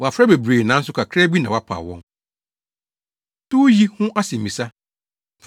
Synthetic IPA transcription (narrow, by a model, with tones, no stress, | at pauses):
wɔ˨a˨fɾa˦be˨bɾeː˨nã˨˦n̩˦s̬ʊ˦kʰʷa˨kʰɾɛ˦bi˦nã˨wa˦pʰa̰ː˨wɔ̰̃˦n | tʊ˦ji˦hʊ̃˦ʔa˦sẽ˨m̩˨mĩ˨sa˦˨